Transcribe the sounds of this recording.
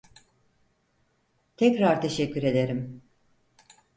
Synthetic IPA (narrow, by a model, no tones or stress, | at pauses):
t̪ʰɛcɾaɾt̪ʰe̞ʃɛcʰːyɾe̞d̪e̞ɾim